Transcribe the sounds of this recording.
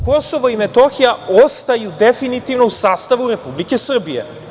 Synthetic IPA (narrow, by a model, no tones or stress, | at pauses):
ko̞so̞ʋoimet̪o̞xijao̞st̪ajud̪e̞finit̪iʋno̞usaːst̪aʋuɾe̞publike̞sr̩bijḛ